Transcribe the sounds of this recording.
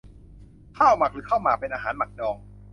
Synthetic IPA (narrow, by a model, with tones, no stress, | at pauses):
kʰaː˥˩wma˨˩k̚ɾɯː˩˦kʰa˥˩wmaː˨˩pe˧nʔaː˧ɦaː˩˦nma˨˩k̚dɔː˧ŋ